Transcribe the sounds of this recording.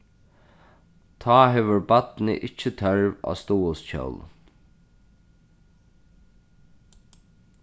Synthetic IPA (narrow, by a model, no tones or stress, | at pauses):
t̪ʰɑːɦɛʋʏɹbat̪nɪ̰ʔɪt͡ʃːət̪ʰœɹʋa̰ːst̪uːʊsc͡çœ̰wl